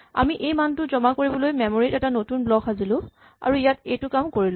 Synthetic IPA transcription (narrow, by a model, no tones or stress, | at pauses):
a̰miʔejmantʊzɔmakoɹibɔlojmɛmoɹitɛtanotunblɔkazilʊ̃ | a̰ɹuijatejtʊkamkoɹilʊ̃